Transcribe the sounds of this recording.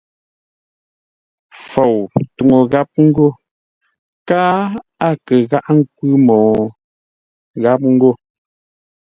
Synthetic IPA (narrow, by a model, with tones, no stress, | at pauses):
fo˨wtu˨ŋo˨ɣa˦p̚ŋ̩˦ɡo˦˨ | kaː˦a˦˨kə˨ɣa˦ʔŋ̩˦kwʉ˦mɔː˨ | ɣa˦p̚ŋ̩˦ɡo˦˨